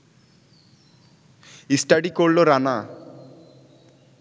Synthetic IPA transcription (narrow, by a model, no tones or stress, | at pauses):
isʈaɖikoɾloɾana